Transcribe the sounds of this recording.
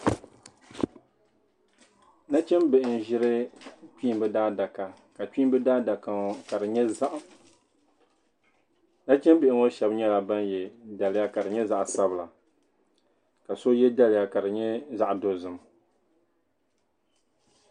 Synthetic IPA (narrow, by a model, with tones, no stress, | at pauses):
na˦t͡ʃɛ˦mbɛ˨ʔɪ˨n̩˨ʒɪ˦ɾɨ˦t͡ʃiː˦mbɨ˦daː˦da˨ka˨ | ka˨t͡ʃi˦mbɨ˦daː˦da˨ka˨ŋ˨ka˨ɾɨ˨ɲɛ˦za˦ʔ | na˦t͡ʃɛ˦mbɪ˨ʔɪ˦ŋo˦ʃɛ˨bɲɛ˦la˨ba˦njɛ˨da˨lɪ˦ja˦ka˨ɾɨ˨ɲɛ˦za˦ʔsa˦bɨ˨la˨ | ka˨so˦jɛ˦da˦lɪ˨ja˦ka˨ɾɨ˨ɲɛ˦za˦ʔdo˨zɨ˨m